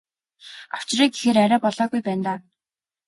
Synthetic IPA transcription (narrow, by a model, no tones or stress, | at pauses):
aw̥t͡ɕriːɡexeːɾæɾʲaːpɔɮɔːɣujpæːnt̪aː